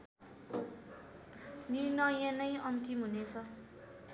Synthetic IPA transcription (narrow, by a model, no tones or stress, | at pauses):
nirnʌjanʌjʌnt̪imɦunet͡sʰʌ